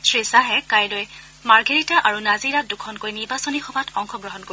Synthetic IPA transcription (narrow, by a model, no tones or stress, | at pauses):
sɹisaɦɛkajloj | maɹɡʱeɹitaʔaɹunaziɹat̚dukʰɔnkojniɹbasɔnixɔbʱatʰɔŋxɔɡɹɔɦɔnko